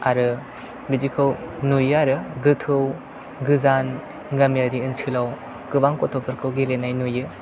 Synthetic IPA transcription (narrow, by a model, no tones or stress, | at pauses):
aɾɯ | bid͡ʒikʰɯwnujɯaɾɯɡɯtʰɯw | ɡɯzan | ɡɐmjaɾiɯnt͡ʃʰɯlaw | kɯbaŋkɔtʰɔpʰɯɾkʰɯwɡilenajnujɯ